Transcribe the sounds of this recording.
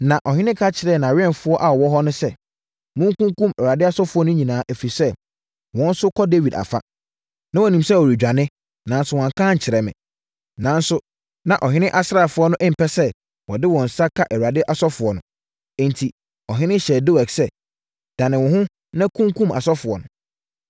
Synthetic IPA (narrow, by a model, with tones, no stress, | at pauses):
nã˨ʔɔ˨ɦɪ̃˦nɪ̃˦kʰa˦t͡ɕʰɪ˨ɾɛ˨˦˨nã˨ɥɪ˦ɛ˦˨n˨fʊ˦ɔ˦ʔa˨ɔ˨wɔ˦ɦɔ˦nʊ̃˦sɛ˦ | mʊ̃˦ŋ˦kũ˦ŋ˦kũ˦mɛ˨u˨a˨dɪ˦a˦sɔ˦fʊ˨˦ɔ˦nʊ̃˦ɲĩ˨nãː˨˦ʔæ˨fi˨sɛ˦ | wɔ̃˨˦n˦sʊ˦kʰɔ˦de˦vi˨da̰˨fa˦ | nã˦wɔ˨nĩ˨msɛ˦˨ɔ˨ɾi˨d͡ʑᶣa˨nɪ̃˦ | nã˨n˦sʊ˦wɔ̃˨ŋ˨kʰãː˦ɲ̩˨t͡ɕʰɪ˨ɾɛ˨mɪ̰̃˨ | nã˨n˦sʊ˦ | nã˨ʔɔ˨ɦɪ̃˦nɪ̃˦ʔa˨sɾa˨fʊ˨˦ɔ˦nʊ̃˦ʔɪ̃˦m̩˨pʰɛ˦sɛ˦ | wɔ˨dɪ˦wɔ̃˨n̩˨sa˦kʰa˦ʔɛ˨wu˨ɾa˨dɪ˦ʔa˨sɔ˦fʊ˨ɔ˨nʊ̰̃˨ | ɛ̃˨ntʰi˨ | ɔ˨ɦɪ̃˦nɪ̃˦ɕɛ˨do˦wɛ˨ksɛ˦ | d̥ã˨nɪ̃˨wɔ̃˨ɦʊ̃˦ | nã˦kʰũ˦ŋkũ˦ma̰˨sɔ˦fʊ˨ɔ˨nʊ̃˨